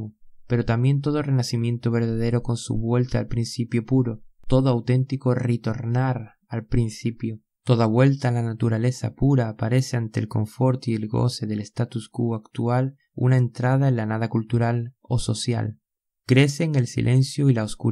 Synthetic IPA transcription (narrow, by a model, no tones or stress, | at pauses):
pe̞ɾo̞t̪ambje̞nt̪̬o̞ðo̞renasimje̞nt̪o̞β̞e̞ɾð̞að̞e̞ɾo̞ko̞nsṵβwe̞lt̪aːlpɾinsipjo̞puɾo̞t̪o̞ðoawt̪e̞nt̪ikoret̪o̞ɾnaɾ | alpɾinsipjo | t̪o̞ðaβwe̞lt̪aːlanat̪uɾale̞sa̰puɾaːpaɾe̞seant̪e̞̰lko̞̰ɱfo̞ɾt̪ielɡo̞̰se̞ðe̞lest̪at̪uskuakt̪ual | ṵnae̞nt̪ɾað̞aenlanað̞akult̪uɾal | o̞̰so̞sja̰l | kɾe̞se̞ːŋe̞lsḭlʔe̞nsjoilaosku